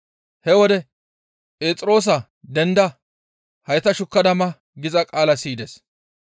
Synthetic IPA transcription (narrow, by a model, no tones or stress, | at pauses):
hɛwɔd̪ɛ | pʼe̞ːt͡sʼɪɾo̞ːs̬ɐ | d̪ɛnd̪ɐ | hɐjt̪ɐʃʊkːɐd̪ɐmɐ | ɡɪzɐkʼaːlɐsiːd̪es